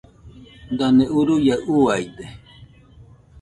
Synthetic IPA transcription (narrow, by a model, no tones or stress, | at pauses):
d̪aneuɾujaʔuajd̪e